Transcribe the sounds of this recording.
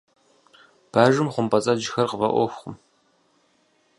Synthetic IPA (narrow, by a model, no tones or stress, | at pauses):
b̥aːʒɨmχʷʊmpɐt͡sʼɐd͡ʒɪxɐrqəvɐʔʷɔ̰xʷχʷʊm